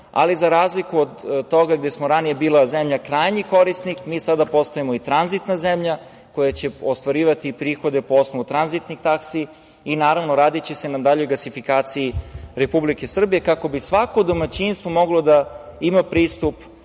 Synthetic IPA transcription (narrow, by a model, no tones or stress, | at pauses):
a̰lizaɾaːzlikuod̪t̪o̞ɡaɡd̪esmoɾanije̞biːlˠazemʎakɾaːjɲiko̞ɾist̪nikmisad̪apo̞st̪oemoit̪ɾanzit̪nazemʎa | ko̞jat͡ɕe̞ost̪ʋaɾiːʋat̪ipɾiːxo̞d̪e̞poosnoʋut̪ɾanzit̪nixt̪aksi | inaːɾaʋno̞ɾaːd̪it͡ɕese̞nad̪aʎojɡlasifikaːt̪sijiɾe̞publike̞sr̩bije̞kako̞bisʋakod̪omat͡ɕinst̪vomo̞ɡlo̞d̪aimapɾiːst̪up